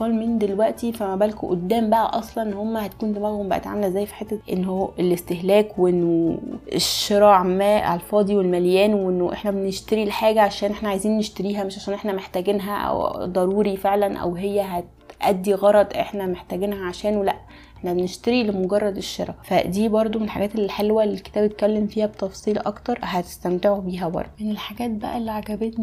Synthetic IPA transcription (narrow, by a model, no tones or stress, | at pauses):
fɑlmiːnd̪elwæʔt̪ifæmæbælkʔo̰d̪ːæːmbæʔæ̰ʔɑsˤlɑnʔenːhomːæhæt̪̚kuːnd̪emælhombæʔæ̰t̪ʕa̰mælzːæːjːfi̥ħet̪ːæʔenːhoelest̪ehlæːkweʔenːoḛʃːeɾˤɑʕmæːʔɑ̰lfɑːd̪ˤiwelmæljæːnwʔenːoʔḛħnæbeneʃt̪eɾileħaːɡæʕaʃæːnʔeħnæʕajziːnːeʃt̪eɾiːɦæmeʃʕaʃæːnʔeħnæmeħt̪æɡenɦæ̰ʔæ̰wd̪ˤɑɾuːɾifeʕlænʔæ̰wɦejːæɦæt̪ʔæd̪ːiɣɑɾˤɑd̪ˤʔḛħnæmeħt̪æːɡenhæʕaʃæːnwelæʔ | eħnæbeneʃt̪eɾilemoɡɑrˤːɑd̪eʃːḛɾˤɑ̰fæd̪iːbɑɾˤd̪ˤomenelħa̰ɡæːt̪elːiħelwælelke̥t̪æːbjet̪̚kælːemfiːhæbet̪ɑfsˤiːlʔɑ̰kt̪ɑɾˤhæt̪e̥st̪æmt̪eʕobiːɦæbɑ̰ɾˤd̪ˤmenelħaɡæːt̪̚bæ̰ʔælːiʕaɡæbet̪ni